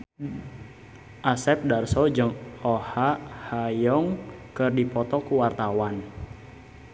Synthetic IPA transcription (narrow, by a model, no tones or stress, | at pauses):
ʔasɛp̚darsɔd͡ʒəŋɔhahajɔŋkɨrdipɔt̪ɔkuwart̪awan